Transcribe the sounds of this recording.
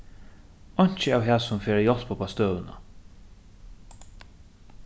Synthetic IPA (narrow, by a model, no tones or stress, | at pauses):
ɔɲ̥t͡ʃəaːwɦæːsʊmfeːɾajɔl̥pʰɔːpʰast̪œːwna̰